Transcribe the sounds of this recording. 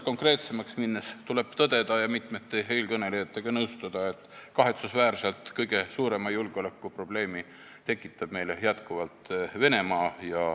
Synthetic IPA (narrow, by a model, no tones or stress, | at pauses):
ko̞ŋkre̞ːt̪se̞mɑksminːest̪ule̞b̥t̪ɤd̪̥e̞d̪̥ɑjɑmit̪met̪ːeɦe̞jlkɤne̞lejɑt̪ːe̞ɡ̥ɑnɤwst̪ud̪̥ɑe̞t̪ːˑkɑɦe̞t̪susvæːrselt̪ˑkɤjɡ̥e̞suːɾe̞mɑjulɡ̥eo̞lækːˑupro̞b̥le̞ːmi | t̪e̞kːˑit̪ːˑɑb̥me̞jlejæt̪kuvɑlt̪ve̞ne̞mɑːjɑ